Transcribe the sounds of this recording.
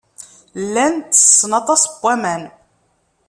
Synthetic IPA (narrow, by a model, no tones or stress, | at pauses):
lːænt̪ːə̥sˤːənɑt̪ˤɑsˤbːæmæn